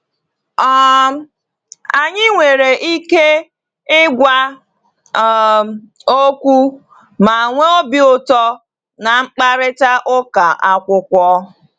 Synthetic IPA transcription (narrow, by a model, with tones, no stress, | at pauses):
ɔ˦ | a˨ɲɪ˦ŋʷe˨ɾe˨ʔi˦ke˦ | ɪ˦ɡʷa˦˨ | o˦kʷu˦ | ma˨ŋʷe˦o˦bi˦ʊ˦tɔ˦ | na˨ŋ͡m̩˦k͡pa˦ɾɪ˦ta˦ʔʊ˦ka˨ʔa˦kʷʊ˦kʷɔ˦